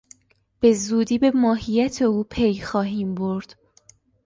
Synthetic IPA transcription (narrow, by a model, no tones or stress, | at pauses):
b̥e̞zuːd̪iːbe̞mɒːɦijæt̪ʰe̞uːpʰejxɒːɦiːmbo̞ɾd̪̥